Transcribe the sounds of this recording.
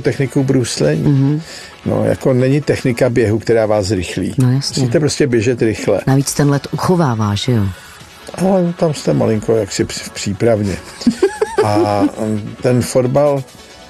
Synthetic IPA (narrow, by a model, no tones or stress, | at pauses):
t̪ɛxnɪkubɾuslɛɲi | no̰ja̰konɛɲɪt̪ɛxnɪkabjɛɦukt̪ɛɾaːvaːszɾɪxlḭːnojasusɛiːt̪ɛpɾoscʲɛbjɛʒɛt̪ɾɪxlɛ̰naviːt͡st̪ɛnlɛt̪ʔuxovaːvaːʒɛjo | ʔalɛnot̪amst̪ɛma̰lɪŋkojaksɪfpr̥iːpɾavɲɛ̰ | ʔa | t̪ɛnfodbal